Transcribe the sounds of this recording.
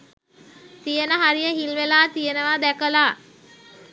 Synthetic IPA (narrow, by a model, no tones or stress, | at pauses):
t̪ijənəɦaɾijəɦilʋelaːt̪ijənəʋad̪ækəlaː